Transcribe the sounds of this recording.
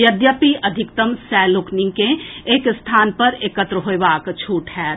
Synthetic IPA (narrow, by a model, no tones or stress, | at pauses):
jɐd̪jəpiʔɐd̪ʱɪkt̪əmsɛːlʊknɪ̃ŋkẽeːkst̪ʰaːnpɐɾeːkət̪ɾəɦoeʋaːkt͡ʃʰuːʈɦɛː